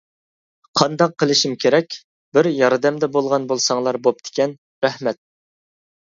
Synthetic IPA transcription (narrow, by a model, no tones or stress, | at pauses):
qʰɑnd̪ɑqʰːəlˠɪʃimkʲʰeɾɛkʲ | bɪɾjɑɾd̪ɛmd̪ɛbolˠʁɑnbolˠsɑŋlˠɑɾbop̚d̪̥e̥kʲɛn | ɾɛhmɛt̪̚